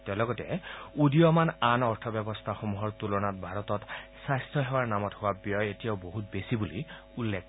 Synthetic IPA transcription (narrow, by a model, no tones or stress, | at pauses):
tɛlɔɡɔtɛudiɔmananɔɹtʰɔbjɔbɔst̪ʰaxɔmuɦɔɹtulɔnatbʱaɹɔtɔtsajstʰjɔɦɛwaɹnamɔthʊabjɔjetijaʊboɦut̚besibulḭ | ulːek